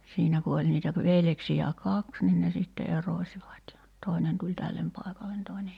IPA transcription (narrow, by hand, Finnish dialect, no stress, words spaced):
siːnæ ku olʲ niːtæ pə ʋeljeksijæ kɑks nin ne sitːe erosʲiʋɑt jɑ toˑenen tulʲ tælːem pɑˑekɑlen toenej